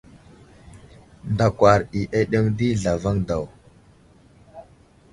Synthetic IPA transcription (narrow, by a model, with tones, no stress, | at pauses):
nda˨kʷa˨ɾi˨ʔe˦ɗe˦ŋdi˦ɮa˨va˦ŋda˨w